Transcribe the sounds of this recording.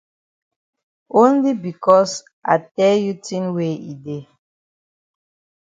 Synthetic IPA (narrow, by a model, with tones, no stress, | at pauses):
õ˦nli˦bi˨kɔ˦s | ʔa̰˨tɛ˦lju˦tĩ˦nwe˦ḭ˨de˨